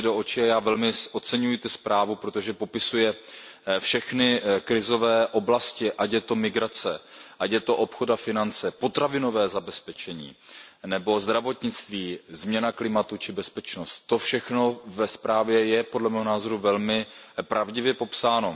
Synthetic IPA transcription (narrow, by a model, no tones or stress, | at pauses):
do̞ʔot͡ʃɪajaːvɛlmɪʔot͡sɛɲujɪt̪ɛspɾaːvupɾot̪oʒɛpo̞pɪsujɛfʃɛxnɪkɾɪzo̞vɛːʔo̞blascɪʔacjɛt̪o̞mɪɡɾat͡sɛʔacjɛt̪o̞ʔo̞pxodafɪnant͡sɛpo̞t̪ɾavɪno̞vɛːzabɛspɛt͡ʃɛɲḭːnɛbo̞zd̪ɾavo̞t̪ɲɪt͡st̪viːzmɲɛnaklɪmat̪ut͡ʃɪbɛspɛt͡ʃnost̪ːo̞fʃɛxno̞vɛspɾaːvjɛjɛpodlɛmɛːɦo̞naːzo̞ɾuvɛlmɪpɾʔavɟɪvjɛpo̞psaːno̞